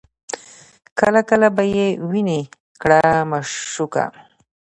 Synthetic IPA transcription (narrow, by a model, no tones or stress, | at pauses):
kəlakəlabajewine | kɽamaʂʂuka̰